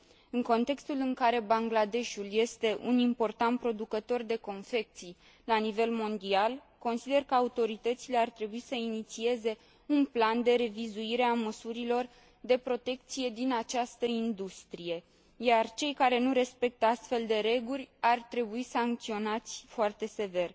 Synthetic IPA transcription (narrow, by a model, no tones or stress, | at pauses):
ɨŋko̞nt̪e̞kst̪ulɨŋkaɾe̞baŋɡlad̪e̞ʃulje̞st̪e̞ʔunimpo̞rt̪ant̪̚pɾo̞d̪ukət̪o̞rd̪e̞ko̞nfe̞k̚t̪sij | lanive̞lmo̞nd̪ial | ko̞nsid̪e̞rkəaut̪o̞ɾit̪ət̪sile̞art̪ɾe̞buisəinit̪sie̞ze̞ | unpland̪e̞ɾe̞vizuiɾe̞aməsuɾilo̞r | d̪e̞pɾo̞t̪e̞k̚t̪sije̞d̪inat͡ʃast̪əind̪ust̪ɾije̞ | jart͡ʃe̞jkaɾe̞nuɾe̞spe̞k̚t̪əast̪fe̞ld̪e̞ɾe̞ɡurʲart̪ɾe̞buisaŋk̚t̪sio̞nat̪sʲfoart̪e̞se̞ve̞r